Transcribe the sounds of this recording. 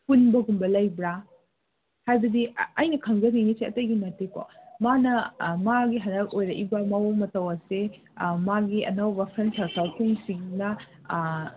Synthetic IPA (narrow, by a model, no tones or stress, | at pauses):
pʰunbɐɡumbɐlɐjbɾa | hajbɐdiɐjnɐkʰɐŋɡɐniniseɐtɐjɡimɐteko̰manɐmaɡiɦɐnɐk̚ojɾɐʔibɐmɐwomɐtɐwɐse | maɡiɐ̰nɐwbɐpʰɐnsɐɾkʰɐlpʰuŋsiŋnɐ